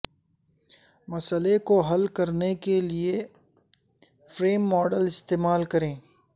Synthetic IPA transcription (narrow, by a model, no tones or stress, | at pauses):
mɐsəlekoɦɐlkɐɾnekelie | fɾeːmːɔːɖəlɪst̪eːmaːlkɐɾẽː